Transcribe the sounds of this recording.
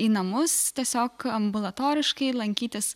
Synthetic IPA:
iːnɐmʊst̪ʲiɛsʲoːkɐmbʊlˠɐt̪oːɾʲɪʃkɐɪlˠɐŋʲkʲiːt̪ʲɪs

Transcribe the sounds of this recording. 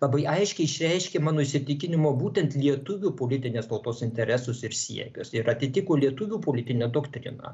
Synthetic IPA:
lˠɐbɐɪʔɐɪʃʲkʲɛɪɪʃʲɾʲɛɪʃʲkʲemɑːnoːɪʃʲsʲɪt̪ʲɪkʲɪnʲɪmoːbuːt̪ʲɛnt̪lʲiɛt̪ʊʋʲuːpoːlʲɪt̪ʲɪnʲeːst̪ɐʊt̪oːsɪnʲt̪ʲɛɾʲæsʊsɪɾsʲḭɛkʲʊsɪɾɐt̪ʲɪt̪ʲɪkoːlʲiɛt̪ʊʋʲuːpoːlʲɪt̪ʲɪnʲɛːd̪oːkt̪ʲɾʲɪ̰nɑ̰ː

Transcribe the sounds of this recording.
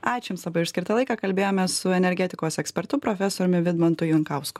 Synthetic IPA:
ɑːt͡ʃʲɪmslˠɐbɐɪʊʃsʲkʲɪɾt̪ɐlˠɐɪkɑːkɐlʲbʲeːjoːmʲɛsʊɛnʲɛɾʲɡʲɛt̪ʲɪkoːsɛksʲpʲɛɾt̪ʊpɾoːfʲɛsoːɾʲʊmʲɪʋʲɪd̪mɔnt̪ʊjʊŋkɐʊskʊ̥

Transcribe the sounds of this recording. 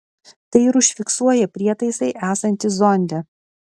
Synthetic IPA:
t̪ɐɪɪɾʊʃʲfʲɪksuɔjɛpʲɾʲiɛt̪ɐɪsɐɪʔæːsɐnʲt̪ʲɪzɔnʲd̪ʲɛ

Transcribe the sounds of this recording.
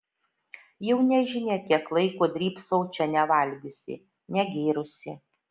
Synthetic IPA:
jɛʊnʲɛʒʲɪnʲeːkʲiɛklˠɐɪkoːd̪ʲɾʲiːpsɔʊt͡ʃʲɛnʲɛʋɐlʲɡʲʊsʲɪ̰ | nʲɛɡʲeːɾʊsʲɪ

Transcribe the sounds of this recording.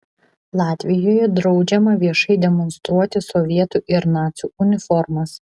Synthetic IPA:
lˠɑːt̪ʲʋʲɪjoːjɛd̪ɾɐʊd͡ʒʲɛmɐʋʲiɛʃɐɪd̪ʲɛmɔnst̪ɾuɔt̪ʲɪsɔʋʲiɛt̪uːʔɪɾnɑːt̪sʲuːʊnʲɪfɔɾmɐs

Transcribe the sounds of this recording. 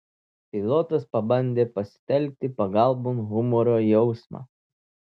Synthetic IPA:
pʲɪlˠɔt̪ɐspɐbɐnʲd̪ʲeːpɐsʲɪ̥t̪ʲɛlʲk̚t̪ʲɪpɐɡɑˑlˠboːnɣʊmɔɾoːjɛʊsmɑ̰ː

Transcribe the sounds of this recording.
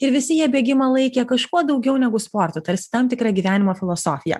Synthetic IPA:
ɪɾʋʲɪsʲɪjiɛbʲeɛɡʲɪmɑlˠɐɪkʲeːkɐʃkuɔd̪ɒʊɡʲɛʊnʲɛɡʊspoːɾt̪ot̪ɐɾʲsʲɪ̥t̪ɐmt̪ʲɪkɾɑɡʲiːʋʲæːnʲɪmoːfʲɪlˠoːsoːfʲɪjɛ̰

